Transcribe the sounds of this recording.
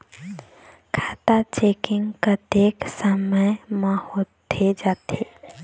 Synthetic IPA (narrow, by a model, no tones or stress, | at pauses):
kʰaːt̪at͡ʃeːkɪ̃ŋɡkət̪eksəməjmãhot̪ʰed͡ʒaːt̪e